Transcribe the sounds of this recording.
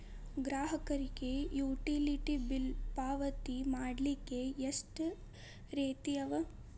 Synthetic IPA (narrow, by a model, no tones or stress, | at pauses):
ɡɾaːɦɐkɐɾiɡejuːʈiliʈibilpaːʋɐt̪imaːɽlikːeesʈ | ɾeːt̪ijɐʋɐ